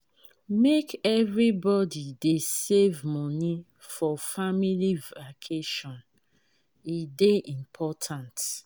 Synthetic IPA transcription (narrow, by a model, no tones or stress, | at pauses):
mekɛvɹibɔdidesevmɔni | fɔfamilivakʰeʃɔ̃n | ideʔĩmpʰɔtʰãnt